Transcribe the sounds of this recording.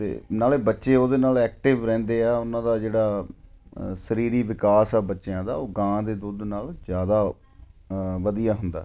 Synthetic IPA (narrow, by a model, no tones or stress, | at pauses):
t̪ḛːnaːleːbətːʃeːoːd̪eːnaːlɛːk̚ʈɪʋɾɛ̃ːnd̪eːɛːʊnãːd̪aːd͡ʒeːɽaː | səɾiːɾiːʋɪkaːsɛːbətːʃjãːd̪a̰ːoːɡãːd̪eːd̪uːd̪naːld͡ʒjaːd̪aː | ʋəd̪ijaːɦʊnd̪a̰ː